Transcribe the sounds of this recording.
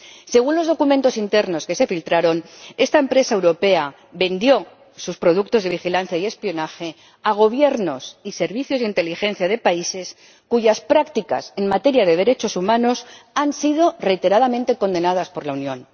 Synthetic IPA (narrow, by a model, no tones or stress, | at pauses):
se̞ɣ̞unlo̞zðo̞kument̪o̞sint̪e̞ɾno̞ske̞se̞filt̪ɾaɾo̞ne̞st̪aempɾe̞saewɾo̞pe̞a | be̞nd̪jo̞ | suspɾo̞ðuk̚t̪ozðe̞β̞ixilan̟θjaie̞spio̞naxe̞ | aɣ̞o̞β̞je̞ɾno̞sise̞ɾβiθjo̞zðint̪e̞lixe̞nθjað̞e̞paise̞s | kuʝaspɾakt̪ika̰se̞nmat̪e̞ɾjaðe̞ðe̞ɾe̞t͡ʃo̞sumãno̞sansið̞o̞re̞jt̪e̞ɾaðamẽnt̪e̞ko̞nd̪e̞naðaspo̞ɾlaunjõ̞n